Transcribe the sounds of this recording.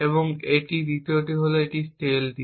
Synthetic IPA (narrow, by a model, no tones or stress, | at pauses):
eboŋeʈid̪it̪eoʈiɦoloeʈisʈeld̪i